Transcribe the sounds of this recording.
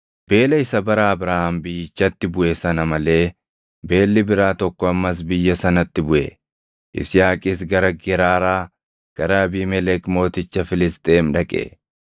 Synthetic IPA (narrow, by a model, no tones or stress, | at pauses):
b̥e̞ːlɐɪsɐbɐɾaːɐbɾaːhambɪjːɪt͡ʃːɐt̪ːɪbʊʔeːsɐnɐmɐle̞ː | be̞ːlːɪbɪɾaːt̪ɔkːɔɐmːɐs̬bɪjːɐsɐnɐt̪ːɪbʊʔɛ | ʔɪ̰sɪjaːkʼɪsɡɐɾɐɡɛɾaːɾaː | ɡ̥ɐɾɐɐbiːmɛlɛkmo̞ːt̪ɪt͡ʃːɐfɪlɪst̪ʼeːmᶑɐkʼḛ